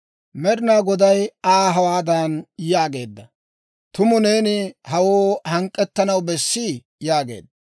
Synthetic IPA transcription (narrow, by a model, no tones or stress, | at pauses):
mɛd̪ɪnaːɡɔd̪ɐjaːɦɐwaːd̪aːnjaːɡe̞ːd̪ːɐ | t̪ʊmʊne̞ːnɪhɐwoːhɐŋkʼːɛt̪ːɐnɐwbɛsːɪ | jaːɡe̞̰ːd̪ːɐ